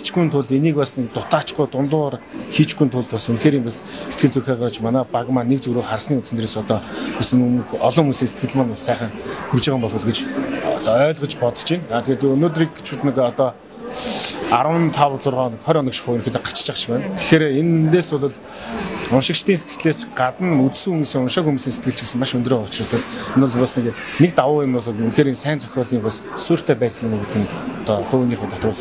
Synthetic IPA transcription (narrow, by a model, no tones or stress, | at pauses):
t͡ɕɡujnt̪ʰʊɮt̪eniːkpasnek̚t̪ʊt̪ʰaːt͡ɕɡʊːt̪ʊnt̪ʊːʁarxiːt͡ɕɡujːnt̪ʰʊɮt̪pɔsunxeːɾiːmpasse̥t̪̚ɡɘ̆ɮt͡surxaːʁat͡ɕmanaːpaɣmaːnek̚t͡sɵɣɾuːχχarsniːut̪t͡sɘ̆nt̪eɾeːsɔt̪ɔːpas̆ŋmxɔɮɞ̆ŋunsiːŋse̥t̪ɡɘ̆ɮmaːnʊsæːχə̆ŋxurt͡ɕiːʁə̆mpɔɮʁə̆ɮtɡet͡ɕɔt̪ɔœːɮʁə̆t͡ɕpɔt̪t͡ɕinaːt̪ɡeːt̪uɵnoːt̪̬riːk̚ɡe̥t͡ɕʊ̆t̪nɪ̆kɔt̪ɔ | aɾwə̆nt̪ʰawt͡sʊrʁɔːnə̆kχɔɾʲɔnɞ̆kʃɪ̥̆χʊːɵnxeːt̪ʰeɢḁt͡ɕt͡ɕə̆χt͡ɕpæːnt̪ʰe̥xeːɾeent̪eːsʊɮʊ̆ɮ | ʊnʃɪ̆kʃt̪iːnset̪ɡɘ̥̆t̪ɮeːsɢat̪ə̆nut͡ssɘ̆ŋumuːsiːŋʊnʃăkumuːsiːŋset̪̚ɡɘ̆ɬt͡ɕɡesɘ̆ŋmaʃɵnt̪roːʊt͡ɕraːsaːsenʊɮpɔsnek | nek̚t̪awʊːemnʊɮunxeːɾinsæːnt͡sʰœxʲɔːɮiːŋpasːʊːr̥t̪ʰæːpæːsə̆ŋnuɡet̪ʰɘ̆nt̪ɔχoːwniːχʊjt̪ʰɔt̪rʊːɮə̆